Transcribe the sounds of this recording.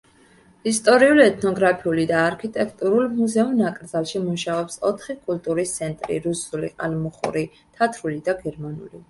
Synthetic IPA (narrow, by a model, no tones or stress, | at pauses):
ist̪ʼɔɾiuliɛt̪ʰnɔɡɾapʰiulid̪aːɾkʰit̪ʼɛkʰt̪ʼuɾulˠmuzɛumnakʼɾd̪zalˠʃimuʃaɔpsɔt̪ʰχikʼult̪ʼuɾist̪sʰɛnt̪ʼɾḭɾusulḭqʼa̰lmuχṵɾi | t̪ʰat̪ʰɾulid̪aɡɛɾmanṵli